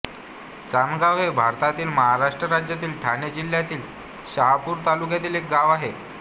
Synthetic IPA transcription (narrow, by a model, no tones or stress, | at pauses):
t͡sanɡaʋɦebʱaɾt̪at̪iːlməɦaɾaʂʈɾəɾad͡ʑjat̪iːlʈʰaned͡ʑil̤jat̪iːl | ɕaɦapuːɾt̪alukjat̪iːlek̚ɡaʋaɦe